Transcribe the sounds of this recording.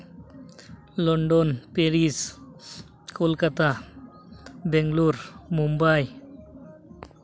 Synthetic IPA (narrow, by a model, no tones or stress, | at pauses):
lɔɳɖonpeɾis | kolkat̪a | beŋluɾmumbaj